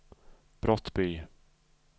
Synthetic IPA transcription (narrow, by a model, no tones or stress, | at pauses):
b̥ɾɔt̪ːbyː